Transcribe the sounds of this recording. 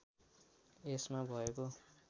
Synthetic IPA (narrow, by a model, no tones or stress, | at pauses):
esmabʱʌeko